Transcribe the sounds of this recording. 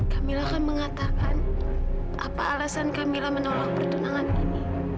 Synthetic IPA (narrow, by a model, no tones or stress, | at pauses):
kamilakanməŋat̪akan | ʔapa̰ːlasankamilahmənolak̚pərt̪unaŋanini